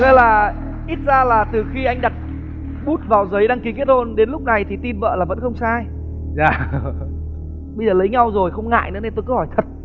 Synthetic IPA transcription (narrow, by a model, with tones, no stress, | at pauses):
ŋə̰˨˦laː˨˩ | ʔi˦˥t̚zaː˧laː˨˩t̪ɨ˨˩xi˧ʔa˧jŋ̟ɗa˨˩t̚ | ɓu˦˥t̚vaː˨˩wzə˨˦jɗaː˧ŋki˨˦ki˦˥ət̚ho˧nɗe˨˦nlʊ˦˥k͡p̚na˨˩jt̪ʰi˨˩t̪i˧nvə̰ː˧˨laː˨˩və̰˧˥nxə˧wŋ͡msaː˧j | zaː˨˧˩ | ɓə˧jzəː˨˩lə˨˦jɲa˧wzo˨˩jxə˧wŋ͡mŋa̰ː˧˨jnɨ̰˧˥əne˧nt̪o˧jkə˨˧˦hɔ˧˩jt̪ʰə˨˩t̚